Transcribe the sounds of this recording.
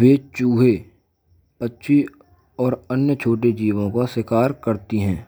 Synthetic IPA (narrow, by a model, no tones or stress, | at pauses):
ʋeːt͡ʃuːɦe | pətːʃʰi | ɔːɾənjət͡ʃʰoːʈ̬ed͡ʒiːʋõkasɪkaːɾkəɾt̪iɦɛ̃ː